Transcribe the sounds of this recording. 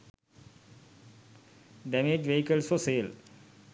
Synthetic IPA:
ɖɛmed͡ʒʋeɦikəlsfɔseːl

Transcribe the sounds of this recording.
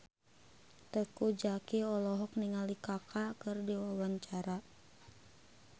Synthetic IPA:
t̪əkud͡ʒakiɔlɔɦɔk̚niŋalikakʰakɨrdiwawaɲt͡ʃaɾa

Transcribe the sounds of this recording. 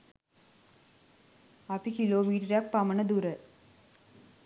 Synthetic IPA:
ɐpikiloːmiːʈɐɾaːk̚pɐmɐɳɐd̪uɾɐ

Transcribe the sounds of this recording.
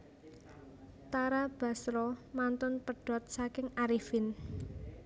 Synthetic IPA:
t̪aɾab̥a̤sɾɔmant̪ʊnpəɖ̥ɔ̤t̪̚sakɪŋaɾifin

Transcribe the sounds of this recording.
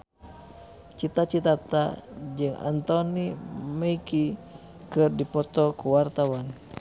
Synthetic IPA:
t͡ʃit̪at͡ʃit̪at̪a̰d͡ʒɨŋʔa̰nt̪ɔniməiki | kɨrdipɔt̪ɔkuwart̪awan

